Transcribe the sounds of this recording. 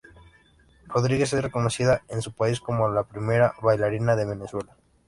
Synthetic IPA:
ro̞ðɾiɣe̞s̬esre̞ko̞no̞siðaensupaisko̞molapɾime̞ɾaβajlaɾinaðe̞β̞e̞ne̞swe̞la

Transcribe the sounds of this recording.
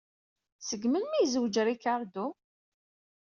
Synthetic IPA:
səɡmənmijzwd͡ʒəɾikaɾˤd̪u

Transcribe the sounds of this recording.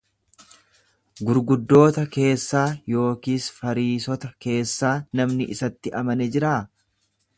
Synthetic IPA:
ɡʊɾɡʊd̪ːo̞ːt̪ɐke̞ːsːaːjo̞ːkiːsfɐɾiːsɔt̪ɐke̞ːsːaːnɐmnɪʔɪsɐt̪ːɪʔɐmɐnɛd͡ʒɪɾaː

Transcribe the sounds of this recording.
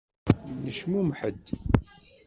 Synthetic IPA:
nəʃmumħəd̪ː

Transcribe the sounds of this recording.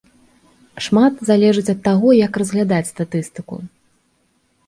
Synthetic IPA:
ʂmat̪zalʲɛʐɨt͡sʲɐt̪ːaɣɔjɐkrɐzɣlʲad̪at͡sʲst̪at̪ɨst̪ɨkṵ

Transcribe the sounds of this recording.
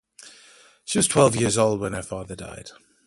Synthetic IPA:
ʃiwɒz̥tʰw̥ɛlˠvjɪəzoʊlˠd̚wə̃nəfɑːðəda̰ɪd̥

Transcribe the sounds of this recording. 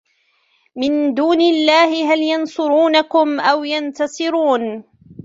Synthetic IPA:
mɪnd̪uːnɪlːaːhɪɦaljɑnsˤʊɾuːnakʊmʔawjant̪ɑsˤɨɾuːn

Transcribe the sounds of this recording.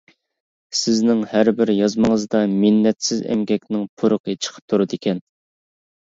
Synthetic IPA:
sɪznɪŋhæɾbɪɾjɑzməŋəzd̪ɑmɪnːɛt̪sɪzɛ̰mɡʲɛkʲnɪŋpʰuɾʊqʰət͡ʃʰə̥qʰə̥p̚t̪ʰuɾɨd̪ɪkʲɛn

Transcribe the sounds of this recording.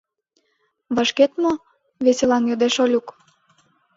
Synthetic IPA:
βəʃket̪mo | βeselɑnjod̪eʃolʲuk

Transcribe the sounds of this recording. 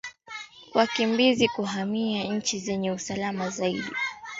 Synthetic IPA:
wakimbizikuɦamiaɲ̩t͡ʃizɛɲɛusalamazaiɗi

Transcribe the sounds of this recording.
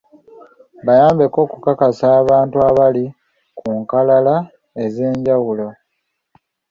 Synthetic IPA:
βajaːmbeko̞ːkukakasaːβaːntuaβali | kʰuŋkalala | e̞ze̞ːɲɟawulo̞

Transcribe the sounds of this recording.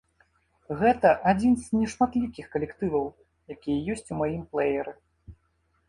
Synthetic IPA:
ɣɛt̪ɐʔad͡zʲinznʲɛʂmat̪lʲikʲixkɐlʲɛkt̪ɨvɐw | jakʲijɐjɔsʲt͡sʲumajimplˠɛjɛɾɨ

